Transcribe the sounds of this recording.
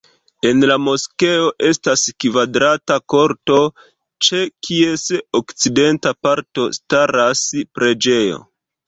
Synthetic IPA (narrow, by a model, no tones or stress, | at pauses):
e̞nlamo̞ske̞o̞ʔe̞staskvadɾatako̞ɾto̞ | t͡ʃe̞kʰie̞sokt͡side̞ntapaɾto̞staɾaspɾe̞d͡ʒe̞jo̰